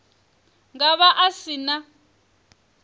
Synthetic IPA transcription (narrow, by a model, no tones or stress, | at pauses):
ŋɡaβaʔasina